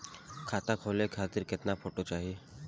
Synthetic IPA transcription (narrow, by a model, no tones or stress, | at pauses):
kʰaːt̪akʰoːlekʰaːt̪ɪɾkɪt̪napʰoːʈot͡ʃaːɦie